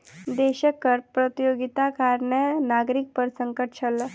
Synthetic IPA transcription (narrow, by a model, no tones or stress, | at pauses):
d̪eɕəkəɾpɾət̪ijoɡit̪akaɾɳjanaɡɾik̚pəɾsəŋkəʈ̚t͡ɕʰalːə